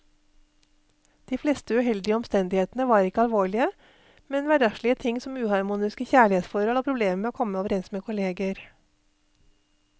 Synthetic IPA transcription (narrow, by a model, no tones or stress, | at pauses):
d̪̥iːfleːst̪əʉɦɛld̪ɪəɔmst̪ɛnd̪ɪheːt̪nəʋɑːɾɪkəɑlʋoːɭɪə | mɛnʋæɖɑʃɭɪət̪ʰɪŋsɔmʉːhɑɾmuːnɪskəçæːɭɪheːt̪sfɔɾhɔloːpʰɾʊbleːməmeːoːkʰɔməoːʋəɾɛnsmeːkʰʊleːɡəɾ